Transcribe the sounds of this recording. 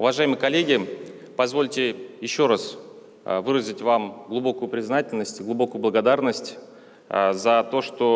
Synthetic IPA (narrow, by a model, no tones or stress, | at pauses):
ʊvɐʐajɪmɨjəkɐlʲːeɡʲɪ | pɐzvo̞lʲtʲɪjɪɕːo̞ɾas | vɨɾəzʲɪtʲvamɡlˠʊbo̞kʊjʊpɾʲɪznatʲɪlʲnəsʲtʲɡlˠʊbo̞kʊjʊblˠəɡɐd̪arnəsʲtʲ | zɐt̪o̞ʂt̪o̞